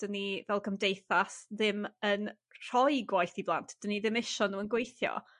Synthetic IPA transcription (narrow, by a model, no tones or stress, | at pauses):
d̥ənivɛlˠɡəmdejθasðɪmən | r̥ɔjɡwajθiblˠa̰ntʰd̥əniðɪmɪʃɔnuːənɡwejθjɔ̰